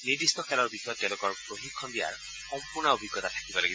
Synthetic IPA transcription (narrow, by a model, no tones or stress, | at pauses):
niɹd̪istɔkʰɛlɔɹbixɔjɔtːɛlʊkɔɹpɹoɦikʰːɔnd̪ija̰ɹ | xɔmpuʊɹnaobʱiɡːɔt̪atʰḁkibɔlaɡi